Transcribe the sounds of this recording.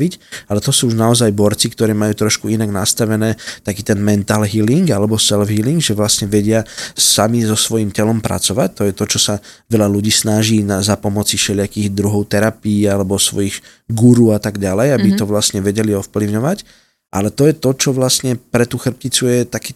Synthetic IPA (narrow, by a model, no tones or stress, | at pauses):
icalɛt̪ɔsuːuʒnaɔzajbɔɾt͡sikt̪ɔɾɛːmajuːt̪ɾɔʃkuinaɡnast̪aʋɛnɛːt̪akiːt̪ɛnmɛnt̪aːlɦiliŋɡalɛbɔsɛlvɦiliŋɡʒɛʋlasɲɛʋɛɟɪasamizɔsʋɔjimcɛlɔmpɾa̰t͡sɔʋac̚t̪ɔjɛt̪ɔt͡ʃɔsaʋɛʎaluɟiːsnaʒiːnazapɔmɔt͡sifʃɛʎɪakiːɣd̪ɾuɦɔʊt̪ɛɾapiːalɛbɔsʋɔ̰jiɣ | ɡuɾuːat̪aɡɟalɛjabit̪ɔʋlasɲɛʋɛɟɛliɔfpliʊɲɔʋac | ʔa̰lɛt̪ɔjɛt̪ɔt͡ʃɔʋlasɲɛpɾɛt̪uxr̩p̚cit͡sujɛt̪akiː